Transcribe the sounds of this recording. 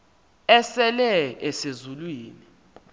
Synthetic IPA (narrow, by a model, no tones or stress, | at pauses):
ɛsɛlɛɛsezulwiːni